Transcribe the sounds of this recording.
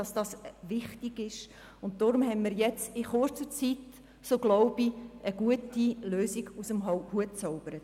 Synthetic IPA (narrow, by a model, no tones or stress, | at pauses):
ɑsd̥ɑsʋɪχtiɡ̥ɪʃ | ʊnt̚dɔːɾʊmhɛnmɪɾjɛt͡sɪχʊɾt͡sət͡sit | soːɡ̥lɔʊbiʔəɡuətiløːsiɡ̥usəmɦɔhuətt͡sɔʊb̥əɾət